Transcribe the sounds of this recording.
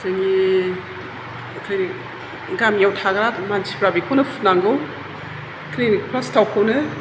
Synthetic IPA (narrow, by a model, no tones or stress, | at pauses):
zaŋi | akʰajni | ɡamjawtʰaɡɐɾamansi̥pɾabikʰonɐpʰunaŋɡɯw | klinik̚plastʰawkʰownɯ